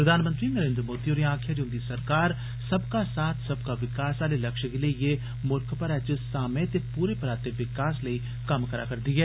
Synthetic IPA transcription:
pɾɐd̪ʱaːnmə̃nt̪ɾinəɾẽːnd̪ɾəmoːd̪ioːɾiãːkʰjaɾeʊ̃ːnd̪isɐɾkaːɾ | sɐbkasaːt̪ʰsɐb̚kaʋɪkaːsaːlelɐkʃɡeleije | mʊɾkʰpəɾɛːt͡ʃɪsaːmẽt̪epuːɾepɐɾaːt̪eʋɪkaːsləiː | kɐmkəɾa̰ːkɐɾd̪iɦɛː

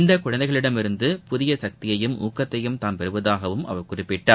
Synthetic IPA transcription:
ɪnd̪ɐkːʊɻɐnd̪ɐɪɣɐɭɪɽɐmɪɾɯnd̪ɯpʊðɪjɐsɐk̚t̪ɪjɐjɯmʔṵːkːɐt̪ːɐjɯmt̪aːnpɛɾɯʋɐðaːɣɐʋɯmʔɐ̰ʋɐɾkʊrɪpːɪʈːaː

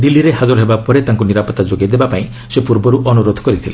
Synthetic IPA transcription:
d̪ilːiɾeɦad͡ʒɔɾɔɦebapɔɾet̪aŋkuniɾapɔt̪ːad͡ʒoɡed̪ebapaĩ | sepuɾbɔɾuʔɔnuɾod̪ʱɔkɔɾit̪ʰile

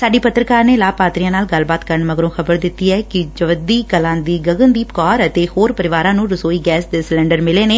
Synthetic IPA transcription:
saːɖiːpət̪ɾəkaːɾneːlaːpaːt̪ɾijãːnaːlɡəlbaːt̪kəɾəɳməɡɾõːxəbəɾd̪ɪt̪ːiːɛːkɪd͡ʒəʋəd̪iːkəlãːd̪iːɡəɡə̃nd̪iːpkɔːɾət̪eːhoːɾpəɾɪʋaːɾãːnũːɾəsoːiːɡɛːsd̪eːsɪlɛ̃ːɳɖəɾmɪleːneː

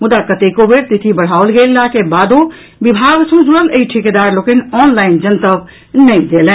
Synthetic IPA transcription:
mʊd̪akət̪eːkobeɾt̪ɪt̪ʰibəɽ̤aːolɡeːlːakebaːd̪o | bɪbʱaːɡsũd͡ʒuɾəleiʈʰɪked̪aːɾloːkɪnɔːnlaːɪnd͡ʒənt̪əʋ | nɐĩd̪eːlẽː

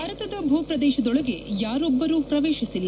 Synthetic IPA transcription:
ɐɾɐt̪ɐd̪ɐbʱuːpɾɐd̪ɛːʃɐd̪ɔɭɐɡe̞jaːɾɔbːɐɾuːpɾɐʋeːʃisilː

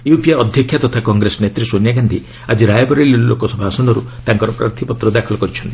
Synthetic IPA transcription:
jupijaɔd̪ʱjɔkʰjat̪ɔt̪ʰakɔŋɡɾesɔnet̪ɾisonjaɡand̪ʱi | ad͡ʒiɾajɔbɔɾelillokɔsɔbʱasɔnɔɾut̪aŋkɔɾɔpɾa̰ɾt̪ʰipɔt̪ɾɔd̪akʰɔlɔkɔɾit͡ʃʰɔnt̪i̥

